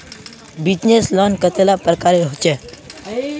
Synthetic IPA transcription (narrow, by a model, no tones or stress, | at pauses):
bid͡ʑneslɔnkət̪elapɾəkaɾeɦot͡ʃe